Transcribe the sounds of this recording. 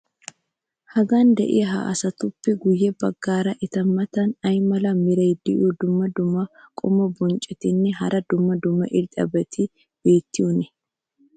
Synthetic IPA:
hɐɡand̪ɛ̰ʔɪ̰jɐɦa̰ːʔɐsɐt̪ʊpːɛɡʊjːɛbɐɡːaːɾɐʔɪt̪ɐmːɐt̪ɐnɐjmɐlɐmɪɾɐjd̪ɪʔuːd̪ʊmːɐd̪ʊmːɐkʼʊmːɐbɔnt͡ʃʼɛt̪ɪnːɛɦɐɾʔɐd̪ʊmːɐd̪ʊmːɐ̰ʔɪɾt̪ʼɐ̰bɛt̪ʰɪ | be̞ːt̪ːɪʊnɛ

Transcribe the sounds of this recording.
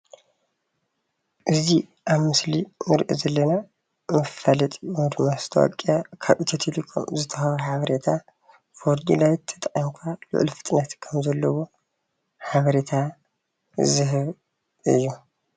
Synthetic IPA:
ʔɨzi | ʔaβmɨslinɨɾʔḭzɐlːɐna | mɨfɐlɐt̪ʼiod̪umast̪ʰowɐ̰kʼːijakʰaβit̪ʰit̪ʰelikʰo̰mzɨt̪ʰɐxɐwuħaβɐɾet̪ʰa | foɾd̪ilawt̪ʰːɐ̥t̪ʼɐqʼimkʰʷalʊ̰ʔlfɨ̥t̪ʼnat̪kʰɐmzɐlːɐwo | ħaβɐɾet̪ʰa | zɨɦɨβ | ɨjːu

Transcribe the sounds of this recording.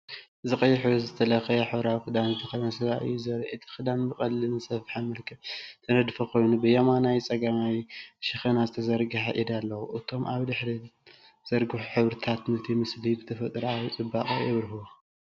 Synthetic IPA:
zɨχʼɐjːɪħuzɨt̪ʰɐlɐxɐjħɨβɾawkɨd̪anzɨt̪ʰɐxɐjnasɐβaʔɨ̰jːuzɐɾɐʔɨt̪ʰi̥xɨd̪anbɨkʼɐlːɨnɨnsɐfħamɐlkʰɐbt̪ʰɐnɐd̪fɐkʰo̞jnubɨjɐmanajt͡sʼɐɡamajʃɪxɐnazɨt̪ʰɐzɐɾɡɨħaʔid̪alːɐwuʔɨt̪ʰo̞mʔaβd̪ɨħɾi | z̥ɐɾɡɨħuħɨβɾɨt̪ʰat̪nɐt̪ʰimɨslibɨt̪ʰɐfɐt̪ʼɾawit͡sʼɨbːaχʼɐjɛβɾɨɦu

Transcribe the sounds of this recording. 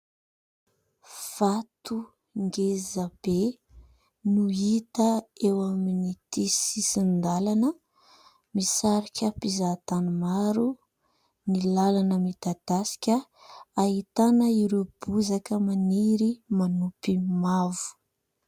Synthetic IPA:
v̥at̪u | ŋɡezab̥e | nuit̪əewaminit̪isisind̪alanə | misaɾikʲəpizat̪anumaɾu | nilalanəmit̪ad̪̥asi̥kʲəaɦit̪anəiɾeb̥uzakəmaniɾimanupimavu̥

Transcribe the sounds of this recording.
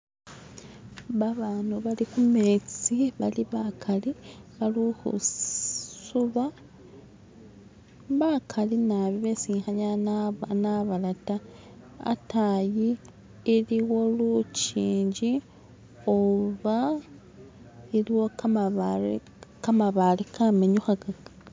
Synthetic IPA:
βaβaːnuβalikumet͡siβaliβakʰaliβaluxṵ | suβa | βakʰalinaβiβesiːxaɲananaβalata | a̰tajiː | ɾiwo̞lut͡ʃiːɲɟi | oβa | iɾiwokamaβ | kamaβalikʰameɲuxaɡaɡ

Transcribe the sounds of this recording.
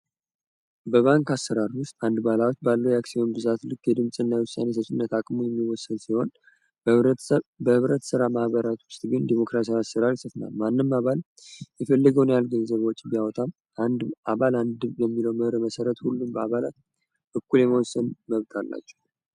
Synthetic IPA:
bəβaŋkasːəɾaɾwʊst̪ʼand̪balawot͡ʃːbalːəwjaksihonbɨzat̪lɨkːjɛd̪ɨmsʼɨnːajwʊsːa̰ne̞səsɨnːət̪akʼmujɛmːiwɔsːənsiho̞n | bəhɨβɾət̪sɨɾamahβəɾat̪wʊst̪ʼɡɨnd̪imo̞kɾasiawasəɾaɾjɪsəfna̰lmanːɨmːaβal | jɛfəlːəɡəwnjalɡənzəβwɔt͡ʃʼːibijawɔt̪ʰam | and̪aβaland̪ɨjɛmːiləwmɨhɾməsəɾət̪hulːumbəa̰βala̰t̪ | ʔɨkːuljɛməwɔsːənməβt̪ʼʰalːa̰t͡ʃːɛ̥w

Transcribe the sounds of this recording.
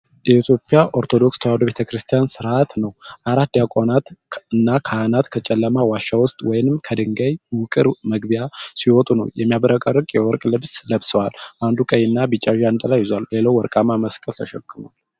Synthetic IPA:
jɛit̪ʰjo̞pʼjaʔoɾt̪ʰo̞d̪o̞kst̪ʰəwad̪oβe̞t̪ʰəkʰɾɨst̪ʰijansɨɾʔat̪nəwʔaɾat̪djakʷʼonat̪ɨnːakʰaanat̪kʰət͡ʃʼɛlːəmawaʃːawʊst̪ʼwɔjnɨmkʰəd̪ɨŋɡajwʊkʼɨɾməɡbijasiwɔt̪ʼunəwjɛmːijaβəɾəkʼərːɨkʼjɛwɔɾkʼlɨbsləβsəwalʔand̪ukʼəjɨnːabɨt͡ʃʼːaʒant̪ʼəlajːɪzwalːelawwɔɾkʼamaməskʼəlt̪ʰəʃɛkʼːɨmu

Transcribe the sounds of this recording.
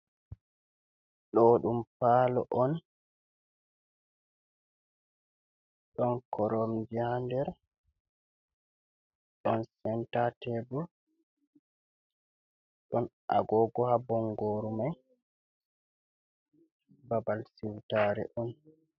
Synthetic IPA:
ɗɔɗumpaːlɔ̰ʔɔn | ɗɔnkʰɔɾɔmd͡ʒihandɛɾ | ɗɔnsɛntatɛbɔ | ɗɔn | a̰ɡɔːɡɔhabɔŋɡɔɾumaj | babalsiwtaːɾɛ̰ʔɔn

